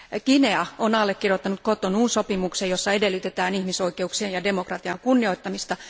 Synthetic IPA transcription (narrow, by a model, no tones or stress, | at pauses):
kineɑonɑlːekkːirjot̪ːɑnut̪̚kot̪onuːnsopimuksejosːɑedelːyt̪et̪æːnihmisoikeuksieːjɑde̞mo̞krɑt̪iɑŋkunːio̞it̪ːɑmist̪ɑ